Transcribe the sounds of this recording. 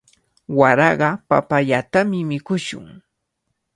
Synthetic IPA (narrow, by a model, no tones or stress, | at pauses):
waɾɑɢɑpa̰paʎat̪amɪmɪkʊʃʊ̰ŋ